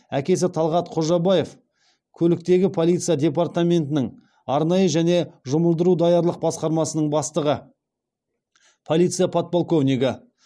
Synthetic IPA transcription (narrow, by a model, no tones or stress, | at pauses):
ækʲe̞s̬ɪt̪ʰɑlˠʁɑt̪qʰoʒɑbɑje̞f | kʲʰɵlɪk̚t̪e̞ɡʲɪpʰo̞lˠijt̪sɨjad̪ʲe̞part̪amʲe̞nt̪ɪnɪŋ | ɑɾnɑjəʒæne̞ʒʊməlˠd̪əɾud̪ɑjɑɾlˠəq̚bɑsqɑɾmɑsənəɴbɑst̪əʁə | pʰo̞lʲˠit̪sɨjapʰot̪̚polˠko̞vnʲiɡʲɪ